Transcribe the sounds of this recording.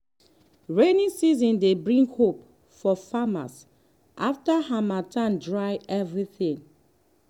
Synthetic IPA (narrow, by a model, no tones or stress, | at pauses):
ɹenĩŋsizɔ̃ndebɹĩŋɡhop | fɔfama̰s | ʔaftahamatʰãndɹajɛvɹiθĩŋ